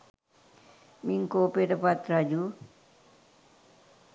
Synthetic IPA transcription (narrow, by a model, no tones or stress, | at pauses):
miŋkoːpeʈəpat̪ɾad͡ʒu